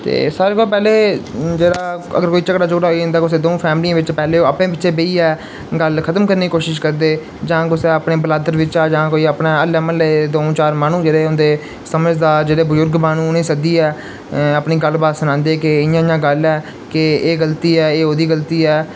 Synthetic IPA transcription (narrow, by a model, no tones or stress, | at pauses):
t̪ḛːsaːɾeːkolpɛːleːd͡ʒeːɽaːə̰ɡəɾkoːiːt͡ʃəkɽaːd͡ʒoːɽaːɦoẽnd̪aːkʊseːd̪oːpʰɛːmliãːʋɪt͡ʃpɛːleːoːaːpnẽːbɪʃẽːbeiːɛː | ɡəlkʰət̪əmkəɾneːkoːʃɪʃkəɾd̪eː | d͡ʒãːkʊseːəpneːbəlaːd̪əɾʋɪt͡ʃaːd͡ʒãːkoːiːəpnãːəlɛːmənləed̪õːt͡ʃaːɾmaːnũːd͡ʒeːɽeːʊnd̪eː | səməd͡ʒd̪aːd͡ʒeːɽeːbəzʊɾɡbaːnũːʊnẽːsəd̪iːɛː | aːpniːɡəlbaːsənãːnd̪eːkɪɪjãːɪjãːɡəlɛː | kɪeːɡəlt̪iːɛːeːoːd̪iːɡəlt̪iːɛː